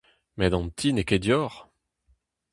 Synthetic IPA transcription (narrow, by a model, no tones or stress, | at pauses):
mɛd̪ɑ̃nt̪ʰineked̪jɔːʁ